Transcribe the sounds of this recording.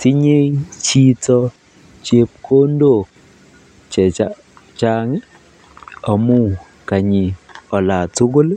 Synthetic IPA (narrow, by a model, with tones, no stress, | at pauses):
ti˦ɲe˦t͡ʃi˦tɔ˦ | t͡ʃe˦p̚kʰo˦ndo˦˨k̚ | t͡ʃɛ˨ | t͡ʃa˦ŋ˦ | ɔ˨mu˦ | ka˨ɲɪ˨ɔ˨la˨tu˦ɡo˦l